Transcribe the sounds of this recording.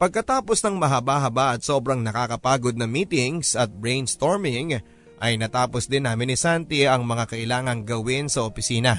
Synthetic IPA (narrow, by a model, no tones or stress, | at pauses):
pɐɡ̚kɐt̪aːpo̞snɐŋmɐɦɐbaɦɐbaʔɐt̪̚so̞bɾɐŋnɐkakɐpaːɡo̞d̪̚nɐmiːt̪ɪŋsɐt̪̚bɹejnst̪o̞ɹmɪŋ | ʔɐjnɐt̪aːposd̪ɪnːamɪnːɪsant̪ɪɐŋmɐŋakɐʔɪlaːŋɐŋɡɐwɪnsɐʔopɪsiːnɐ